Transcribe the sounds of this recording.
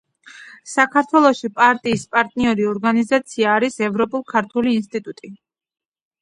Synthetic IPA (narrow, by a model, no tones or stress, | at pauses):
sakʰaɾt̪ʰwɛlˠɔʃipʼaɾt̪ʼiːspʼaɾt̪ʼniɔɾiɔɾɡanizat̪sʰiaːɾisɛvɾɔpʼulˠkʰaɾt̪ʰuliːnst̪ʼit̪ʼut̪ʼi